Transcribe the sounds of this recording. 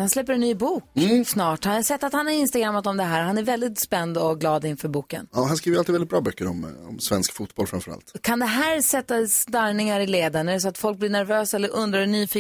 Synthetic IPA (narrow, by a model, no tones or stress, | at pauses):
hanslɛpːəɾɛnːyːbuːksnɑːʈhansɛt̪ːat̪hanaɾɪnst̪aɡɾamːət̪ɔmd̪ɛɦæːɾɦanæɾvɛld̪ɪt̪spɛnd̪ɔɡlɑːd̪ɪnfœːɾbuːkə̰nɑːɦanskɾiːvəɾaliːvɛɪt̪̚bɾɑːbœkːəɾɔmɔ̰msvɛnskfuːt̪̚bɔlfɾamfœɾa̰lt̪kʰand̪ɛɦæːɾsɛt̪ːassd̪aɾnɪŋaɾɪleːd̪anɛs̬ɔat̪fɔlk̚blɪɳæɾvøːsaɛlːəɾɵnd̪ɾaɛnyːfiː